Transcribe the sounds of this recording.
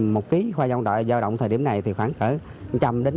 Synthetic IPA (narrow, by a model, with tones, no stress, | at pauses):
mo˨˩t̚ki˨˦xwaː˧zɔ˧wŋ͡mɗa̰ː˧˨jzaː˧wɗə̰˧˨wŋ͡m̪ʰəː˨˩ɗi˧˩əmna˨˩jt̪ʰi˨˩xwaː˧˩ŋxəː˧˩ | t͡ɕa˧mɗe˨˦n